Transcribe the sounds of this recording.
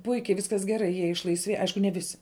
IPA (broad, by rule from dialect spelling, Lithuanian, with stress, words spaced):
ˈpʊɪkʲɛɪ ˈʋʲɪskɐs ɡʲɛˈrɐɪ jiɛ ɪʃlˠɐɪsʲˈʋʲeːj ˈɐɪʃkʊ nʲɛ ˈʋʲɪsʲɪ